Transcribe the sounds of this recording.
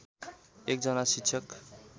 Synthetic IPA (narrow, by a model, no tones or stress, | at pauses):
ek̚d͡zʌnasiksʰʌk